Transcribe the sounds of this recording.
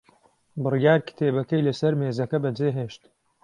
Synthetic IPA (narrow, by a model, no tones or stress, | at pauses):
bɨrijaːɾkʰɪ̥t̪ʰeːbɐkɐjlɐsɐɾmeːzɐkɐbɐd͡zeːɦeːʃt̪